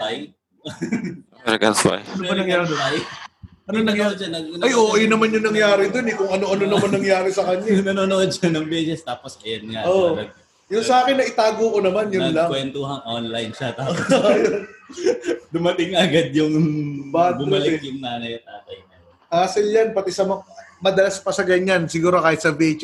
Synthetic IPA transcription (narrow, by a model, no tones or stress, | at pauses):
aj | ɐnɐɡɐ̰nspa̰jɐoɐnɐŋjaːɾd̪oaj | ɐnonɐŋjd̪̚d͡ʒɐnɐɐnɐjʔoʔɐjʊnɐmanjʊŋnɐŋjaːɾɪd̪onɛkʊŋʔɐno̞ʔɐnonɐmɐnɐŋjaːɾɪsɐkɐɲanɐnoːnoʔod̪̚t͡ʃɐnɐŋbɛːsɛst̪aːposɐjɐnŋaʔʔolɐɡ | jʊnsɐʔaːkɪnːɐʔɪt̪aːɡoːkonɐmanjʊnlaŋwɛnt̪oɦɐŋʔonlɐjnʃat̪aːsjon | d̪ʊmɐt̪ɪŋɐɐɡad̪̚jʊŋbat̪mɐlɛjʊŋnaːnɐjɐt̪aːt̪ɐjnɐ | ʔaːsɪljanpɐt̪ɛsɐmɐmɐd̪ɐlaspɐsɐɡɐɲansɪɡuːɾokaːhɪt̪sɐbɛt͡ʃ